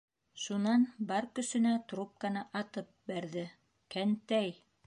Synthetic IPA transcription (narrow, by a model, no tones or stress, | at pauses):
ʃunɑnbɑɾkɵ̆sɵ̆næt̪ɾup̚kanɤʔɑt̪ɤp̚bæɾðɘ | kænt̪æj